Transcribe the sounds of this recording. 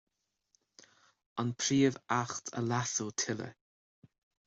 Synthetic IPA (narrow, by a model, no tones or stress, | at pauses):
ɔnpʰɾiːəvaxtʰə̰lasəltʰɪlə̰